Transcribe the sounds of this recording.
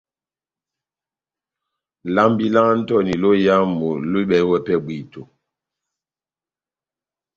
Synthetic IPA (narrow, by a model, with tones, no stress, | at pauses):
la˦mbi˦la˦n̩˦tɔ˦˨ni˨lo˦ja˦mo˨lu˦ɓɛ˨˦wɛ˦˨pɛ˦bwi˨to˨